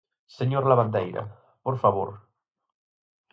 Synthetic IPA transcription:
seɲoɾlaβand̪ejɾa̰ | poɾfaβo̰ɾ

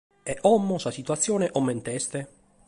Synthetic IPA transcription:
ɛʔɔmːosasit̪uat̪sːjoːneʔɔmːent̪ɛst̪e

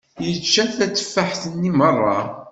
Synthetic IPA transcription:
jət͡ʃːæθæt͡sːə̥fːaħθənːimərˤːɑ̰

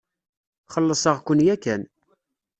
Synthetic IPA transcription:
χəlːəsˤəʁkʷənjækːæn

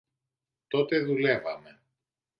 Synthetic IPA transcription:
t̪o̞t̪e̞ðule̞vɐme̞

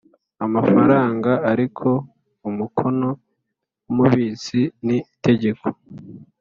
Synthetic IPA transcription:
amafaɾaːŋɡaaɾikʰo̞ | umukʰo̞no̞ | wumuβiːsinite̞ɟe̞ko̥

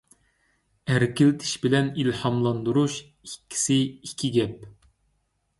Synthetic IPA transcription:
æɾkʲʰilt̪ʰɪ̥ʃbɪlɛnilhɑmlˠɑnd̪uɾuʃ | ikʲʰːi̥sɪikʲʰːiɡʲɛp̚

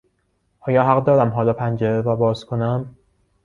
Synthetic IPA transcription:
ʔɒːjɒːɦæɣd̪ɒːɾæmɦɒːlɒːpʰænd͡ʒeɾevæbɒːzkʰonæm

